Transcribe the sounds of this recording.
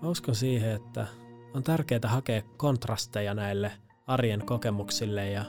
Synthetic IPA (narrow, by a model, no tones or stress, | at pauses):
mæuskonsiːheet̪ːæ̰ | ont̪ærkeːt̪æhɑkeːkːo̞nt̪rɑst̪ejɑnæilːe | ɑrjenko̞kemuksilːejjɑ